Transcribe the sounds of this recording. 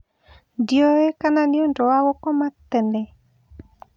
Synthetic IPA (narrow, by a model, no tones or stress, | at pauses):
diɔekananiondɔwawɔkɔmat̪ːɛnɛ